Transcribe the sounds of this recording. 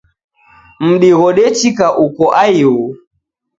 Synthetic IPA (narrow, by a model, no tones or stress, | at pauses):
m̩ɗiɣɔɗɛt͡ʃikaʔukɔʔaiɣu